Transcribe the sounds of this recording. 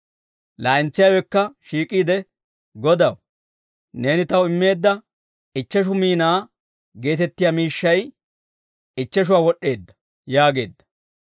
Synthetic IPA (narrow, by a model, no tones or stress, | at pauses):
laːɪnt͡sːɪjawɛkːɐʃiːkʼiːd̪ɛ | ɡɔd̪ɐw | ne̞ːnɪt̪ɐwɪmːe̞ːd̪ːɐ | ɪt͡ʃːɛʃ̬ʊmiːnaː | ɡe̞ːt̪ɛt̪ːɪjamiːʃːɐj | ɪt͡ʃːɛʃ̬ʊwaːwɔɗːe̞ːd̪ːɐ̥ | jaːɡe̞ːd̪ːɐ̥